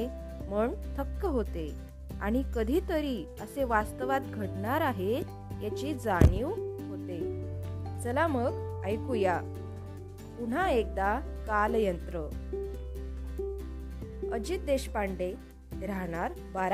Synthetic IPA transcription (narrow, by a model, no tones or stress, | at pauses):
e | məɳt̪ʰəkːəɦot̪e | a̰ɽ̃ikəd̪ʱiːt̪əɾiː | əseʋast̪əʋat̪̚ɡʱəʈɳaɾaɦe | jat͡ɕiːd͡zaɳ̃iwɦot̪e | t͡səlaməɡəjkuja | puɳ̤aek̚d̪akaljənt̪ɾə | əd͡ʑit̪̚d̪eɕpaɳɖe | ɾaɦɳaɾ | baɾ